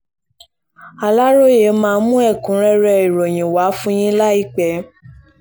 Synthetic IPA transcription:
a˨la˦ɾo˦je˨˦mãː˦˧˦mũ˦ɛ˦˨kũ˨˦ɾɛ˦ɾɛ˧i˨ɾo˨j̃ĩ˨wa˨˦fũ˦j̃ĩ˦la˦i˦k͡pɛ˨˧˦

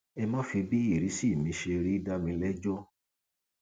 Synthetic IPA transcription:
ɛ˧mã˦fi˧bi˦i˦˨ɾi˨˦si˦˨mĩ˨˧ʃe˧ɾi˦da˦mĩ˧lɛ˦d͡ʒɔ˦

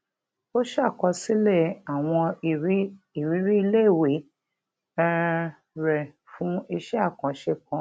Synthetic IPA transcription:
o˦ʃa˦˨kɔ˧si˦le˦˨a˨w̃ɔ̃˧˨˦ | i˨ɾi˨˦ɾi˦i˧le˦˨we˨˦ | ɛ˧ | ɾɛ˨ | fũ˨˦i˧ʃɛ˦a˦˨kã˨˦ʃe˧kã˨˦

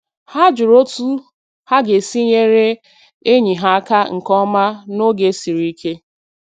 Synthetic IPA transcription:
ha˦d͡ʒʊ˨ɾo˦tu˦ | ha˦ɡe˨si˦ɲe˦ɾe˦ | e˦ɲi˨ɦa˦ka˦ŋ̩˨kɔ˦ma˦no˦ɡe˨˦si˨ɾi˦i˦kʰe˦

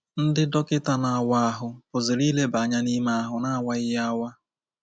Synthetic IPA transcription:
n̩˦dɪ˦dɔ˦kɪ˦ta˦na˨a˨wa˦a˦ɦʊ˨pʊ˨zɪ˨ɾi˦le˦ba˨ɲa˦ni˦ma˦a˦ɦʊ˨na˦a˨wa˦ɪ˦ja˦wa˦

